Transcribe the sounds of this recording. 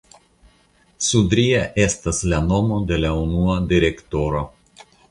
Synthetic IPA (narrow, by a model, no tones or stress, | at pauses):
sud̪ʲɾʲijɛʔest̪ɐslʲɛnɔmod̪ʲelʲɛʊnuɔd̪ʲɪɾʲɛkt̪ɔɾo